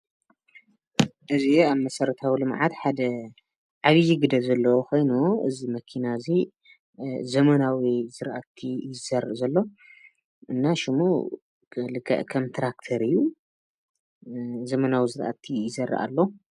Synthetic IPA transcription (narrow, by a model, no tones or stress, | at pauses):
ʔɨziaβmɐsɐɾɐt̪ʰawilɨmʕat̪ħad̪ɐ | ʕaβjiɡɨd̪ɐβzɐlːɐwokʰo̞jnuʔɨ̰zimɐkʰinazi | zɐmɐnawizɨɾʔat̪ʰːijɪzɐɾːɐʔzɐlːo̞ | ʔɨnːaʃɪmṵ | lɨkʰːɐ̰ʔkʰɐmt̪ʰɾak̚t̪ʰɐɾɨjːu | zɐmɐnawizɨɾʔa̰t̪ʰijɪzɐrːɐ̰ʔa̰lːo